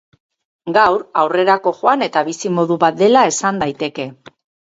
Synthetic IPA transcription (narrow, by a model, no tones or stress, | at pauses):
ɡawɾawre̞ɾako̞ʝoane̞t̪aβisimo̞ðuβat̪̚d̪e̞lae̞sand̪ajt̪e̞ke̞